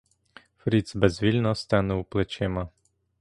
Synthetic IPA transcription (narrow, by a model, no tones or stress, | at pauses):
fɾʲid̪sbɛzʋʲilʲnɔst̪ɛnɪwplˠet͡ʃɪmɐ